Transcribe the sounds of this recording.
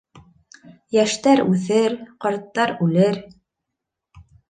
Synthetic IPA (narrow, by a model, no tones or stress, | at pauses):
jæʃt̪æɾʉθɘɾqɑɾt̪ːɑɾʉlɘɾ